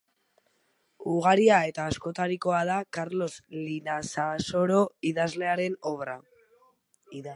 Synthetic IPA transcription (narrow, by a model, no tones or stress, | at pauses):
uɣ̞aɾiae̞t̪aːsko̞t̪aɾiko̞að̞akaɾlo̞slinasaso̞ɾo̞iðazle̞aɾe̞no̞βɾa